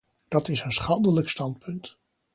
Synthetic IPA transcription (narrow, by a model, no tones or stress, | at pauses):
d̥ɑtɪsənsχɑndələkstɑntpʰɵnt